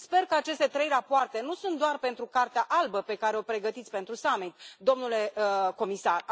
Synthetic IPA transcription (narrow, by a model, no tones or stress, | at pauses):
spe̞rkəat͡ʃe̞st̪e̞t̪ɾe̞jrapoart̪e̞nusunt̪̚d̪oarpe̞nt̪ɾukart̪eaʔalbəpe̞kaɾe̞o̞pɾe̞ɡət̪it̪sʲpe̞nt̪ɾusamit̪d̪o̞mnule̞ko̞misar